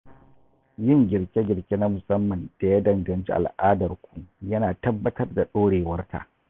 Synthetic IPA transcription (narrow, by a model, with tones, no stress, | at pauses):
jɪ˦˨ŋɡʲɪ˨ɽkʲe˦ɡʲɪ˨ɾkʲe˦na˦mʊ˨sɐ˦mːɐ˨nd̥a˨ja˦dɐ˨ŋɡɐ˨nt͡ʃḭ˦ʔa˨lʔaː˦dɐ˨rkʷu˨jɐ˦naː˨tɐ˦bːɐ˦tɐ˦rda˨ɗoː˦ɽeː˨wɐ˦rtʰa̰˨ʔ